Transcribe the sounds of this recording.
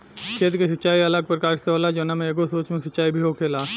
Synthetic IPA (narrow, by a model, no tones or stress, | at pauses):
kʰeːt̪kes̬ətːt͡ʃaːiɐləɡ̚pɾəkaːɾseoːlad͡ʒonamẽeːɡosoːt͡ʃmẽsətːt͡ʃaːibʱiɦokʰeːlaː